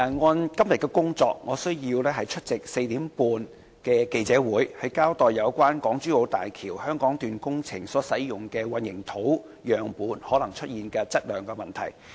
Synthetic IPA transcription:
ŋɔː˨˧nkɐ˥mjɐ˨t̚kːɛ˧kʊ˥ŋt͡sɔː˧k̚ŋɔː˨˧sɵ˥ɥjiː˧wlɛː˥ɦɐ˨jt͡ʃʰɵ˥t̚t͡sɪ˨k̚se˧jt̪iː˨˥mpuː˧n | kɛː˧ke˧jt͡sɛː˨˥wuː˨˥jhɐ˨jkaː˥wt̪ɔː˨jɐ˨˧wkʷwaː˥nkɔː˨˥ŋt͡ʃyː˥wo˨˧wt̪a̰ː˨jkʰiː˨˩whœː˥ŋkɔː˨˥ŋt̪yː˨nkʊ˥ŋt͡sʰɪ˨˩ŋsɔː˨˥sɐ˨˥jjʊ˨˩ŋkɛː˧wɐ˨njɪ˨˩ŋt̪ʰo˨˥w | jœː˨˩ŋpuː˨˧nhɔː˨˥lɐ˨˩ŋt͡ʃʰɵ˥t̚jiː˨nkɛː˧t͡sɐ˥t̚lœː˨˩ŋkɛː˧mɐ˨nt̪ʰɐ̰˨˩j

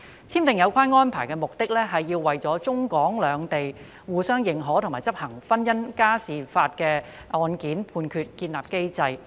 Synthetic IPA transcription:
t͡sʰiː˥mt̪ɪ˨ŋjɐ˨˧wkʰʷaː˥nŋɔː˥npʰaː˨˩jkɛː˧mʊ˨k̚t̪ɪ˥k̚lɛː˥ɦɐ˨jːiː˧wːɐ˨jt͡sɔː˨˥t͡sʊ˥ŋkɔː˨˥ŋlœː˨˧ŋt̪e˨j | wuː˨sœː˥ŋjɪ˨˩ŋɦɔː˨˥t̪ʰʊ˨˩ŋmaː˨˩jt͡sɐ˥p̚hɐ˨˩ŋfɐ˥njɐ˥nkaː˥siː˨˩faː˧t̚kɛː˧ | ɔː˧nkiː˨˥npʰuː˧nkʰyː˧t̚kiː˧nlaː˨p̚ke˥jt͡sɐ˧j

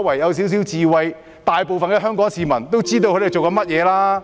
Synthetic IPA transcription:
wɐ˨˩jːɐ˨˧ws̬iː˨˥ws̬i˨˥wt͡siː˨wɐ˧j | t̪aː˨jpo˨wfɐ˨nkɛː˧ɦœː˥ŋkɔː˨˥ŋsiː˨mɐ˨˩nt̪o˥wt͡siː˥t̪o˧wkʰɵ˨˧˥te˨jt͡so˨wkɐ˨˧˥mɐ˥t̚jɛː˨˧laː˥

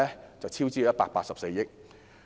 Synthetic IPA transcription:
ɛ˥t͡sɐ˨wt͡sʰiː˥wt͡siː˥jɐ˥paː˧t̚paː˧t̚sɐ˨p̚se˧jːɪ˦˥k̚

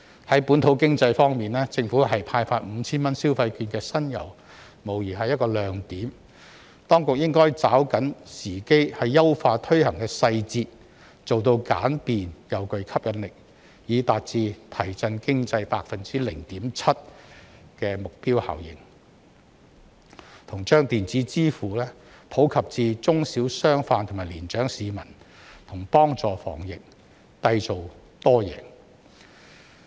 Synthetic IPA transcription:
hɐ˨˥jpuː˨˥nt̪ʰo˨˧˥wkɪ˥ŋt͡sɐ˧jfɔː˥ŋmiː˨˩nɛː˥t͡sɪ˧ŋfuː˨˥ɦɐ˨jpʰaː˧jfaː˧t̚m̩˨˧t͡sʰiː˥nmɐ˥nsiː˥wfɐ˧jkyː˧nkɛː˧sɐ˥njɐ̰˨˩w | mo˨˩wjiː˨˩ɦɐ˨jɐ˥t̚kɔː˧lœː˨˧ŋt̪iː˨˥m | t̪ɔː˥ŋkʊ˨k̚jɪ˥ŋkɔː˥jt͡saː˨˥wkɐ˨˥nsiː˨˩ke˥jhɐ˨jːɐ˥wfaː˧t̪ʰɵ˥ɥhɐ˨˩ŋkɛː˧sɐ˧jt͡siː˧t̚ | t͡so˨wt̪̬o˧wkaː˨˥npiː˨njɐ˨˩wkɵ˨ɥkʰɐ˥p̚jɐ˨˧nlɪ˨k̚ | jiː˨˧t̪aː˨t̚t͡siː˧t̪ʰɐ˨˩jt͡sɐ˧nkɪ˥ŋt͡sɐ˧jpaː˧k̚fɐ˨nt͡siː˥lɪ˨˩ŋt̪iː˨˥mt͡sʰɐ˥t̚kɛː˧mʊ˨k̚piː˥wha̰ː˨wjɪ̰˨˩ŋ | t̪ʰʊ˨˩ŋt͡ʃœː˥ŋt̪iː˨nt͡siː˨˥t͡siː˥fuː˨˩lɛː˥ | pʰo˨˥wkʰɐ˨p̚t͡siː˧t͡sʊ˥ŋsiː˨˥wsœː˥ŋfaː˧nt̪ʰmaː˨˩liː˨˩nt͡ʃœː˨˥ŋsiː˨˧mɐ˨˩n | t̪ʰʊ˨˩ŋpɔː˥ŋt͡sɔː˨fɔ̰ː˨˩ŋjɪ˨k̚ | t̪ɐ˧jt͡so˨w | t̪ɔː˥jɛ̰ː˨˩ŋ

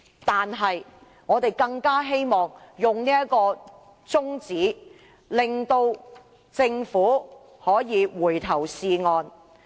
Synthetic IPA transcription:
t̪aː˨nɦɐ˨j | ŋɔː˨˧t̪e˨˩jkɐ˧ŋkaː˥ɦe˥jmɔː˨˩ŋjʊ˨ŋniː˥jɐ˥tkɔː˧ | t͡sʊ˥ŋt͡siː˨˥ | lɪ˨ŋt̪o˧w | t͡sɪ˧ŋfuː˨˥ | hɔː˨˥jiː˨˧wuː˨˩jt̪ʰɐ˨˩wsiː˨ŋɔː˨n

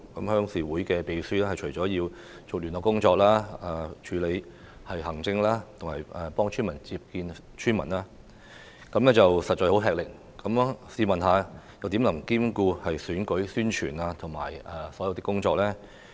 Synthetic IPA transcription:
kɐ˨˥mhœː˥ŋsiː˨˩wuː˨˥jkɛː˧pe˨jsyː˥lɛː˥hɐ˨jt͡ʃʰɵ˨˩t͡sɔː˨˥jiː˧w | t͡sʊ˨k̚lyː˨nɔː˨˩kːʊ˥ŋt͡ʃɔː˧k̚laː˥aː˨˧t͡ʃʰyː˨˥le˨˧j | hɐ˨jhɐ˨˩ŋt͡sɪ˧ŋlaː˥t̪ʰʊ˨˩ŋhɐ̰˨˩jɛ˨pɔː˥ŋt͡ʃʰyː˥nmɐ˨˩nt͡siː˧p̚kiː˧n | t͡ʃʰyː˥nmɐ˨˩naː˥ | kɐ˧˥mlɛː˥t͡sɐ˨wsɐ˨t̚t͡ʃɔː˧jho˨˥ɦɛː˨k̚lɪ˨k̚ | kɐ˨˥msiː˨˧mɐ˨nɦaː˨˧jɐ˨˧wt̪iː˨˥mlɐ˨˩mkiː˥mkuː˧hɐ˨jsyː˨˥nkɵ˨˥ɥsyː˥nt͡ʃʰy̰ː˨˩naː˧t̪ʰʊ˨˩ŋma̰ː˨˩jɐ˨sɔː˨˥jɐ˧wt̪ɪ˥kːʊ˥ŋt͡ʃɔː˧k̚lɛː˥

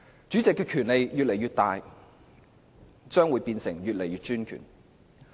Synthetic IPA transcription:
t͡ʃyː˨˥t͡sɪ˨kːɛː˧kʰyː˨˩nle˨˧jjyː˨t̚le˨˩jɥyː˧t̪̚aː˨˧j | t͡ʃœː˥ŋwuː˨˥jpiː˧nsɪ˨˩ŋjy˨t̚le˨˩jyː˨t̚t͡ʃyː˥nkʰy̰ː˨˩n

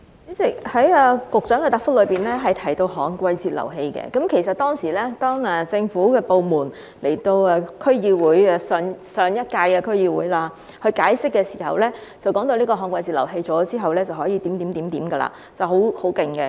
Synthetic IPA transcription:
i˨˥t͡sɪ˨k̚hɐ˨˥jɛː˧kʊ˨k̚t͡sœː˨˥ŋkɛː˧t̪aː˨˩kfʊ˥k̚lɵ˨˧jpiː˨nlɛː˥ɦɐ˨jt̪ʰɐ˨˩jt̪o˧wɦɔ̰ː˨ŋkʷwɐ˧jt͡siː˨t̚lɐ̰˨˩wɦe˧jkɛ̰˧kɐ˨˥mkʰe˨˩jsɐ˨t̚t̪ɔː˥ŋsiː˨˩lɛː˥t̪ɔː˥ŋɛ˨t͡sɪ˧ŋfuː˨˥kɛː˧po˨˧wmuː˨˩n | le˨˩jt̪o˧wɛː˧kʰɵ˥ɥjiː˧wuː˨˥jɛ˧sœː˨ŋsœː˨ŋjɐ˥t̚kaː˧jkɛː˧kʰɵ˥ɥjiː˧wuː˨˥jlaː˧ | hɵ˧jkaː˨˥jsɪ˥kːɛː˧si˨˩ɦɐ̰˨wlɛː˥t͡sɐ˨wkɔː˨˥ŋt̪o˧wliː˥kɔː˧ɦɔː˨˥ŋkʷwɐ˧jt͡si˨lɐ̰˨˩wɦe˧jt͡sɔː˨˥t͡siː˥ɦɐ˨˩wlɛː˥t͡sɐ˨whɔː˨˥jiː˨˧t̪i˨˥mt̪iː˨˥iː˨˥mt̪iː˨˥mɡɐ˧la̰ː˧˩ | t͡sɐ˨wɦo˨˥who˨˥wkɪ˨ŋɡɛ˧

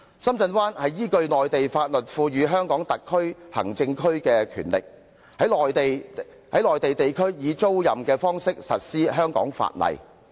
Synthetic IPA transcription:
sɐ˥mt͡sɐ˧nwaː˥nhɐ˨jjiː˥kɵ˧ɥlɔː˨jt̪e˨jfaː˧t̚lɵ˨t̚fuː˧ɥyː˨˧ɦœː˥ŋkɔː˨˥ŋt̪ɐ˨kʰːɵ˥ɥhɐ̰˨˩ŋt͡sɪ˧ŋkʰɵ˥ɥkɛː˧kʰy̰ː˨˩nlɪ̰˨k̚ | hɐ˨˥jlɔː˨jt̪e˨j | hɐ˨˥lɔː˨jt̪e˨jt̪e˨jkʰɵ˥ɥjiː˨˧t͡so˥wjɐ˨mkɛː˧fɔː˥ŋsɪ˥k̚sɐ˨t̚siː˥ɦœː˥ŋkɔ̰ː˨˥ŋfa̰ː˧˨t̚lɐ̰˨j

